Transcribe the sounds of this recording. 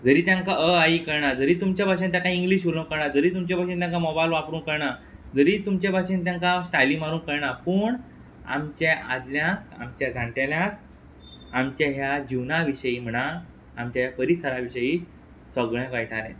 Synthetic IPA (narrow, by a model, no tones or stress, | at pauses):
d͡zəɾiːt̪jãŋkaʔəaikəɾɳad͡zəɾiːt̪umt͡ɕabʱaɕẽnt̪jãkaiŋɡliːɕoləwkəɾɳad͡zəɾiːt̪umt͡ɕabʱaɕent̪jãŋkamɔbajlʋapɾuːnkəɾɳad͡zəɾiːt̪umt͡ɕabaɕent̪jãŋkasʈajliːmaɾuːnkəɾɳapəːɳ | a̰mt͡ɕeʔad̪ljak̚a̰mt͡ɕjad͡zʱãɳʈaljak̚ | amt͡ɕjaɦjad͡ʑiʋnaʋiɕəjiːm̤əɽaː | mt͡ɕajapəɾisəɾaʋiɕəiː | səɡɭãkajʈʰaɾḛ̃